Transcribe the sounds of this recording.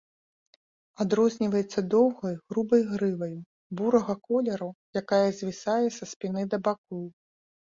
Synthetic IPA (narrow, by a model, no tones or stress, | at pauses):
ad̪ɾɔzʲnʲivɐjɛt̪sːɐd̪ɔwɣɐjɣɾubɐjɣɾɨvɐju | buɾɐɣɐkɔlʲɛɾujakajɐzʲvʲisajɛsɐspʲinɨd̪ɐbakɔw